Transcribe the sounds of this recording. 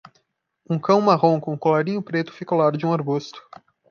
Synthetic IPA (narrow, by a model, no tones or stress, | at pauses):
ũkɐ̃w̃maɦõw̃kõũkolaɾĩɲʊpɾet̪ʊ̥fikolaɾd͡ʒɪũaɾɡust̪ʊ̥